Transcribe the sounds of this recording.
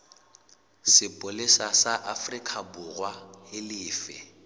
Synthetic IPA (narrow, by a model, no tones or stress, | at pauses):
sɪpʼʊlesasaʔafrikʼʰabʊrwahɪlɪːfɛ̰